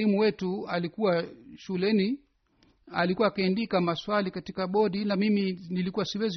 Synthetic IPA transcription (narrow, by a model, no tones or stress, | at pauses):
limuwɛtualikuwaʃulɛni | a̰likuwaːkaɛndikamaswalikatikaɓɔɗinamiminilikuwasiwɛzi